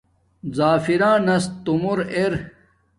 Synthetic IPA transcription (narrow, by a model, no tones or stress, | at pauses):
zaːfiɾãːnɐst̪umuɾeɾ